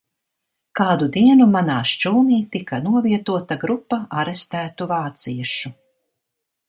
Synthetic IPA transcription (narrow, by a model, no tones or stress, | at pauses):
kaːd̪ud̪iɛnumanaːʃt͡ʃuːniːt̪ikanuɔviɛt̪uɔt̪aɡɾupːaʔaɾest̪æːt̪uvaːt̪siɛʃu